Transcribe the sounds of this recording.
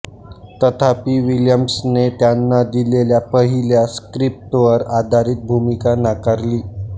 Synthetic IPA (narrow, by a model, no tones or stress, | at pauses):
t̪ət̪ʰapiːʋiljəmsnet̪janːad̪ileljapəɦiljaskɾip̚ʈʋəɾad̪ʱaɾiːt̪̚bʱumikanakaɾliː